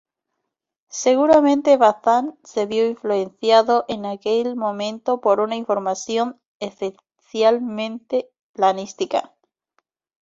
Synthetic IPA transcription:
se̞ɣ̞uɾamẽnt̪e̞βaθanse̞βjo̞iɱfluenθjaðoʔe̞nake̞lmõ̞mẽ̞nt̪o̞poɾunaiɱfo̞ɾmasjo̞n | esfe | θjalmẽ̞nt̪e | planist̪ika̰

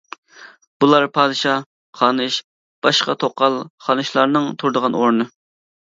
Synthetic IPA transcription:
b̥ulˠɑɾpʰɑːd̪ɨʃɑ | χɑːnɨʃ | b̥ɑʃqɑt̪ʰoqːɑlˠχɑnɨʃlˠɑɾnɨŋt̪ʰuɾd̪əʁɑnoɾnɨ

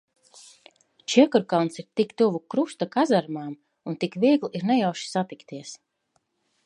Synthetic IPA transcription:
t͡ʃiɛkuɾkalˠnsiɾt̪ikt̪uvukɾust̪akazaɾmaːm | unt̪ikviɛɡlˠiɾnɛjawʃi̥sat̪ikt̪iɛs

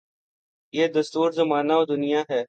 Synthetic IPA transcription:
jeːd̪ɐst̪uːɾzɐmaːnaoːd̪ʊnijaɦɛː

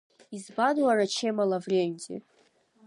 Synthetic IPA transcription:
izbadwaɾat͡ʃʰemalavrʲemʲdʰḛ

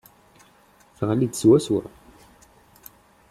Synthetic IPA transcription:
θʁlid̪swæswə̰ɾˤ

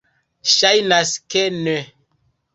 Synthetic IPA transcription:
ʃajnaskene

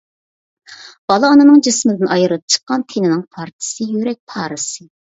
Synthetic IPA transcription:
b̥ɑlˠɑːnɨnɨŋd͡ʒismɪd̪ɪnʔɑjɨɾɨp̚t͡ʃʰə̥qːɑnt̪ʰenɪnɨŋpʰɑɾt̪ʰɨ̥sɨjøɾɛk̚ʲpʰɑːɾɨsɨ

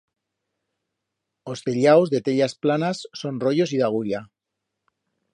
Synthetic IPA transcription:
ost̪eʎawzðe̞t̪eʎasplanasːo̞nro̞ʝo̞s̬iðaɣ̞uʎa

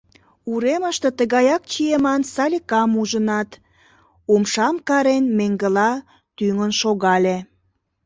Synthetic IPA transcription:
uɾeməʃt̪ə̆t̪əɣɑjɑk̚t͡ɕiemɑnsɑlʲikɑmuʒənɑt̪ | umʃɑmkɑɾenmeŋɡəlɑ | t̪yŋənʃoɣɑlʲe

